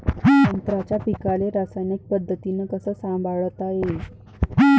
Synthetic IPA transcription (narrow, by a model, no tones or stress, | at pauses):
ənt̪ɾat͡ɕjapikaleɾasajnik̚pəd̪ʱːət̪inəkəsəːsãmbaɭət̪aɦe